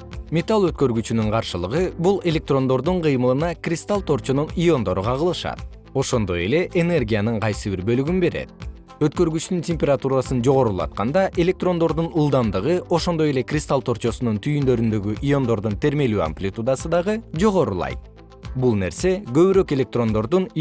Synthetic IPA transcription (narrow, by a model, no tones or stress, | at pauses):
mʲet̪alˠøt̪̚kø̞ɾɡyt͡ʃynyɴqʰɑɾʃɯlˠɯʁɯbulˠe̞lʲe̞k̚t̪ro̞nd̪o̞ɾd̪uɴqʰɯjmɯlˠɯnɑkrʲist̪alˠt̪o̞rt͡ʃonunijo̞nd̪o̞ɾuqɑʁɯlˠɯʃɑ̰t̪̚ | o̞ʃo̞nd̪o̞je̞le̞ʔene̞rɡʲijanɯɴqʰɑjsɯbiɾbø̞lyɡynbe̞ɾḛt̪̚ | øt̪kø̞ɾɡyt͡ʃt̪yntʲemʲpʲerat̪uɾasɯnd͡ʒo̞ʁo̞ɾulˠɑ̰t̪̚qɑnd̪ɑʔe̞lʲe̞k̚t̪ro̞nd̪o̞ɾd̪unulˠd̪ɑmd̪ɯʁɯo̞ʃo̞nd̪o̞je̞le̞krʲist̪alˠt̪o̞ɾt͡ʃo̞sununt̪ʰyjynd̪ø̞ɾynd̪ø̞ɡyʔijo̞nd̪o̞ɾd̪unt̪ʰe̞ɾme̞lya̰mplʲit̪ud̪asɯd̪ɑʁɯd͡ʒo̞ʁo̞ɾṵlˠɑ̰jt̪̚ | bulˠne̞ɾse̞ɡø̞βyɾø̞ke̞lʲe̞k̚t̪ro̞nd̪o̞ɾd̪un